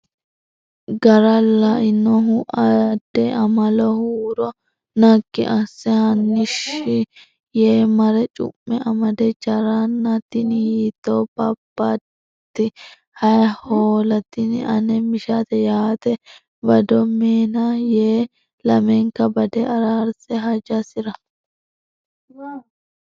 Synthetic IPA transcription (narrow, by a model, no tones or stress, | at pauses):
ɡɐɾɐlɐʔɪnːɔɦʊʔɐd̪ːɛɐmɐlɔhuːɾɔ | nɐkːɪ̰ʔɐsːɪhɐnːɪʃɪ | jeːmɐɾɛt͡ʃʼʊ̰mːɛʔɐmɐd̪ɛt͡ʃɐɾɐnːɐt̪ɪnjiːt̪ːoːbɐbːɐ | t̪ːɪ | hɐjhoːlɐt̪ɪn̰ɐnɛmɪʃat̪ɛjaːt̪ɛ | bɐd̪ɔmeːnajeː | lɐmɛŋkɐbɐd̪ɛɐɾaːɾsɛɦɐd͡ʒɐsɪɾɐ